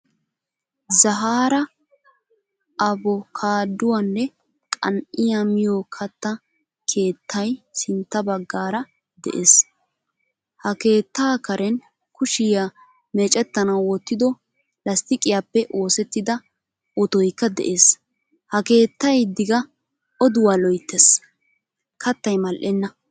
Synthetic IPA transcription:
zɐɦaːɾɐ | ɐbɔkʰaːd̪ːʊwɐnːɛ | kʼɐ̰nʔɪjamɪjokʰɐt̪ːɐ | kʰe̞ːt̪ːɐjsɪnt̪ːɐbɐɡːaːɾɐ | d̪ɛ̰ʔeːs | hɐke̞ːt̪ːaːkɐɾʔɛn | kʊʃɪja | mɛt͡ʃʼɛt̪ːɐnɐwːɔt̪ːɪd̪ɔ | lɐst̪ɪkʼɪjapːɛʔo̞ːsɛt̪ːɪd̪ɐ | ʔɔt̪ɔjkːɐd̪ɛ̰ʔe̞ːs | hɐke̞ːt̪ːɐjd̪ɪɡɐ | ɔd̪ʊwaːlɔjt̪ːes | kʰɐt̪ːɐjmɐlʔɛnːɐ

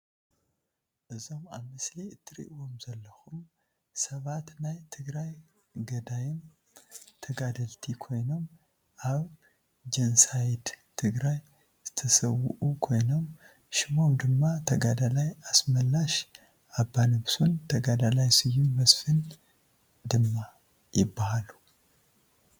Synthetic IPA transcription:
ʔɨzo̞ma̰βmɨsliɨt̪ʰːɨɾḭʔwo̞mzɐlːɐxum | sɐβat̪najt̪ʰɨɡɾaj | ɡɐd̪ajɪn | t̪ʰɐɡad̪ɐlt̪ʰikʰo̞jno̞m | ʔaβ | d͡ʒɐnsajd̪t̪ʰɨɡɾaj | z̥ɨt̪ʰɐsɐwːʊʔukʰo̞jno̞m | ʃɪmo̞md̪ɨmːat̪ʰɐɡad̪alajasmɐlːaʃ | ʔabːanɨβsunt̪ʰɐɡad̪alajsɨjːubɐsfɨn | d̪ɨmːa | jɪbːahalu̥

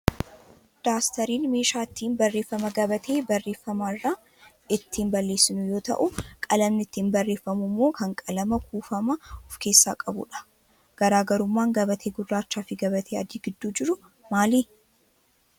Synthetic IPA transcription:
d̪̥aːst̪ɐɾiːnme̞ːʃaːɪt̪ʰːiːnbɐrːeːfːɐmɐɡɐbɐt̪ʰe̞ːbɐrːe̞ːfːɐmaɪrːaː | ɪt̪ːiːnbɐlːe̞ːsːɪnʊjo̞ːt̪ɐ̰ʔʊkʼɐlɐmnɪt̪ːiːnbɐrːeːfːɐmʊmːo̞ːkɐŋkʼɐlɐmɐkuːfɐmɐɔfke̞ːsːa̰ːkʼɐbʊ̰ᶑɐ̥ | ɡ̥ɐɾaːɡɐɾʊmːaːŋɡɐbɐt̪ʰe̞ːɡʊrːaːt͡ʃːaːfɪɡɐβɐt̪ʰeːɐ̰d̪iːɡɪd̪ːuːd͡ʒɪɾʊ | maːliː

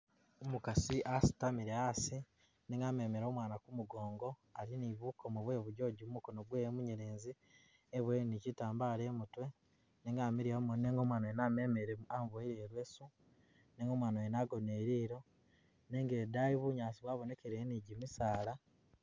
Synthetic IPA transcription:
omukasiʔasi̥tamiɾeasi | neːŋɡaːme̞ːmeɾo̞ːmwaːnakumuɡoːŋɡo̞aliniβukʰomuβwe̞ːβuɟo̞ɟumumukonoɡwemuɲeɾeːnzi | eβweɾenicitaːmbaːleːmutwe̞ | neːŋɡaːmiɾijamoneːŋɡomwaːnoenamemeɾeamβoeɾeɾwe̞ːsu | neːŋɡo̞mwaːnaenaːɡo̞ne̞ːɾiːɾo̞ | neːŋɡeːdajiβuɲaːsiβwaːβo̞ne̞keɾeniɟimisaːla

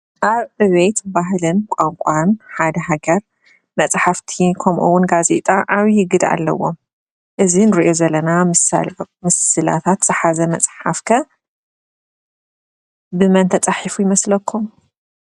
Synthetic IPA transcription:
ʔaβʕɨβɐjt̪baɦlɨnkʷʼaŋkʷʼanħad̪ɐɦaɡɐɾ | mɐt͡sʼħaft̪ʰikʰɐmʔuwʊnɡazḛt̪ʼaʔaβjɪɡɨd̪a̰lːɐ̰wo̰m | ʔɨzinɨɾiʔo̞zɐlːɐnamɨsmɨsɨla̰t̪ʰat̪z̥ɨħazɐmɐt͡sʼħafkʰɐ | bɨmɐnt̪ʰɐt͡sʼaħifujɪmɐslɐkʰːum

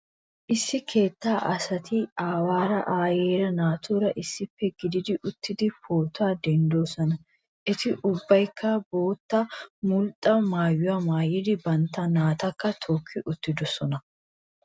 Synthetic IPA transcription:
ʔɪsːɪkʰe̞ːt̪ːaːʔɐsɐt̪ɪaːwaːɾɐʔaːjeːɾɐnaːt̪ʰuːɾɐʔɪsːɪfːɛɡɪd̪ɪd̪ɪʔʊt̪ːɪd̪ɪfoːt̪aːd̪ɛnd̪o̞ːsɔnɐ | ʔɪt̪ɪʔʊbːɐjkʰːɐbo̞ːt̪ːɐmʊlt̪ʼːɐmaːjːʊwamaːjɪd̪ɪbɐnt̪ːɐnaːt̪ɐkːɐt̪ʰoːkʰːɪʔʊt̪ːɪd̪ɔsɔnɐ

